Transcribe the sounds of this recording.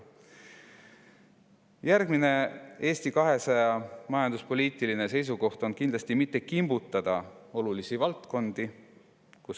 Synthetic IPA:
jæɾɡ̥mine̞e̞ːst̪ikɑɦe̞sɑjɑmɑjɑnd̪̥uspo̞lʲiːt̪ˑiline̞se̞js̬uko̞ht̪o̞nkind̪lɑsʲt̪imit̪ːe̞kimbut̪ˑːɑd̪̥ɑo̞lulisivɑlt̪ko̞nd̪̥i | kus

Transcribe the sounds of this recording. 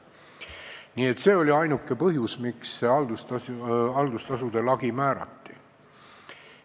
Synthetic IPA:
niːe̞t̪ːˑse̞ːo̞lʲiɑjnukːe̞pɤɦjusmiksːeɑld̪usɑɑld̪ust̪ɑsud̪̥e̞lɑɡ̥imæːɾɑ̰t̪ːi

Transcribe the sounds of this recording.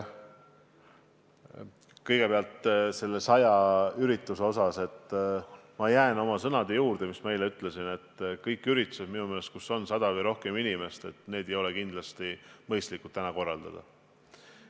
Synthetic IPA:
kɤjɡ̥e̞peɑlt̪se̞lːesɑjɑyɾit̪ːˑuse̞o̞sɑse̞t̪ː | mɑjæːno̞mɑsɤnɑd̪̥e̞juːɾd̪̥e̞mismme̞jleyt̪ːˑle̞sine̞t̪ːkɤjkːˑyɾit̪ːˑu̥sed̥̪minumele̞st̪̚kusːo̞nsɑd̪̥ɑvɤjɾo̞hke̞minime̞st̪e̞t̪ːˑne̞ːd̪̥e̞jo̞lekind̪lɑst̪imɤjst̪likut̪ːænɑko̞rːɑld̪̥ɑ̰d̪̥ɑ̰

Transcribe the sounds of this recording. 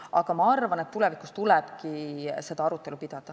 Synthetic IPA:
ɑɡ̥ɑmɑɑrvɑne̞t̪ːulɛvikust̪ulɛb̥kise̞d̪̥ɑɑɾut̪ːˑe̞lupid̪̥ɑd̪̥ɑ

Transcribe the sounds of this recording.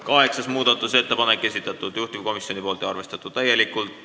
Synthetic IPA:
kɑheksɑsmuːt̪ɑt̪ːuseet̪ːæpɑnekesit̪ːˑet̪ːut̪juht̪iko̞misːionipuolt̪jɑɑrʋest̪et̪ːˑut̪ːæjelikːult̪

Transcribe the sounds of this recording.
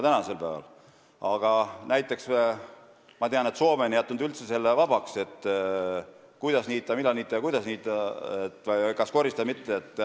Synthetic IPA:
t̪ænɑse̞lpæːvɑ̰l | ɑɡ̥ɑnæjt̪ˑːe̞kse | mɑt̪eɑne̞t̪so̞ːmenjæt̪ˑːund̪ylt̪se̞se̞lːevɑbɑkse̞t̪ːˑ | kujd̪ɑsniːt̪ːˑɑmilːɑniːt̪ːˑɑjɑkujd̪ɑsniːt̪ːˑɑet̪ːˑvɤjkɑsko̞rist̪ɑd̪mit̪ːeet̪ːˑ

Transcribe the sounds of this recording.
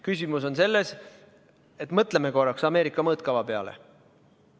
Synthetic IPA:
kysʲimuso̞nse̞lːes | e̞t̪ːˑmɤt̪ˑlemeko̞rːɑksɑme̞ːɾikːˑɑmɤːt̪̚kɑvɑpe̞ɑ̰lḛ

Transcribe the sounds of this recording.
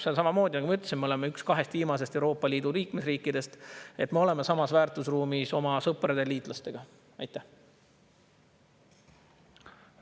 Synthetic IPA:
selsɑmɑmo̞ːd̪̥ʲinɑɡumɑyt̪ːˑsimːeo̞le̞meykskɑɦe̞st̪viːmɑs̬e̞st̪e̞uɾo̞ːpˑːɑliːd̪̥uliːkmesriːkːˑid̪̥e̞st̪e̞t̪me̞o̞le̞mesɑmɑsvæːrt̪ˑusruːmiso̞mɑsɤpˑɾɑd̪̥e̞liːt̪ˑlɑst̪e̞ɡ̥ɑ | ɑjt̪ˑːæh

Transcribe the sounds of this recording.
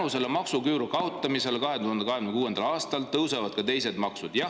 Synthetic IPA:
use̞lemɑksukywɾukɑot̪ːˑɑmise̞lkɑɦe̞t̪uhɑnd̪ekɑɦemnmekuːend̪ɑlɑːst̪ɑlt̪ɤwsevɑd̪̥kɑt̪e̞jse̞d̪mɑksud̪jɑ

